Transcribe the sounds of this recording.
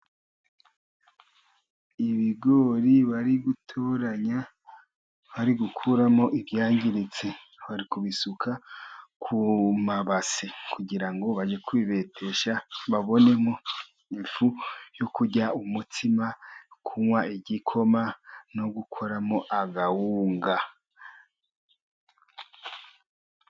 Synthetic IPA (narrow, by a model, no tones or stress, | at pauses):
iβiɡoːɾiβaɾiɡutʰoːɾaɲa | βaɾiɡukʰuɾamo̞ʔiβjaːɲɟiɾit͡se | βaɾikuβisukʰakʰumaβasekʰuɟiɾaŋɡo̞βad͡ʒe̞kwiβe̞tʰe̞ʃaβaβo̞ne̞mo | iɱfujokuɟaumutʰimakʰuŋwaiɟikʰo̞mano̞ɡukʰo̞ɾamoʔaɡawuːŋɡa